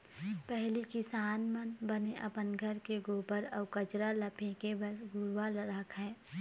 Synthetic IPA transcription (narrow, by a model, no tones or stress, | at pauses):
pɛɦlikɪsaːnmənbəneʔɐ̰pənɡʱəɾkeɡoːbəɾɔːkət͡ʃɾaləpʰẽkebəɡʊɾwalɾaːkʰɦɛ̃ː